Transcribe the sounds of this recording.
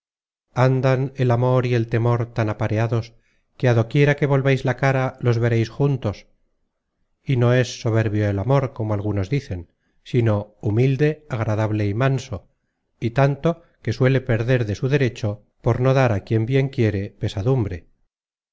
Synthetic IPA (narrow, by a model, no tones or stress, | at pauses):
and̪ane̞lamo̞ɾie̞lt̪e̞mo̞ɾt̪anapaɾeaðo̞s | keaðo̞kje̞ɾake̞βo̞lβajzlakaɾalo̞zβe̞ɾejsxunt̪o̞s | ino̞e̞sːo̞β̞e̞ɾβjoelamo̞ɾko̞moalɣ̞uno̞zðiθe̞n | sino̞umild̪e̞aɣ̞ɾaðaβle̞imanso | it̪ant̪o̞ | ke̞swe̞le̞pe̞ɾðe̞ɾðe̞suðe̞ɾe̞t͡ʃo̞ | po̞ɾno̞ðaɾakje̞mbje̞ŋkje̞ɾe̞pe̞saðumbɾe̞